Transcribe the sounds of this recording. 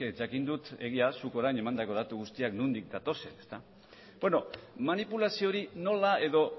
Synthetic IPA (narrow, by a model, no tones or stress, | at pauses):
ed͡ʒakind̪ut̪e̞̰ɣiasuko̞ɾajne̞mand̪ako̞ð̞at̪uɣust̪iaknund̪ik̚d̪at̪o̞se̞ne̞st̪a | beno̞manipulasio̞ɾino̞lae̞ðo̞